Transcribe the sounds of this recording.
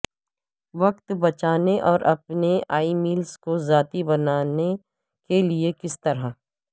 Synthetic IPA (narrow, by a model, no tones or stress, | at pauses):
ʋɐkt̪bɐt͡ʃaːneʔɔːɾʔɐpneaːimiːlskozaːt̪ibɐnaːne | keliekɪst̪ɐɾɦa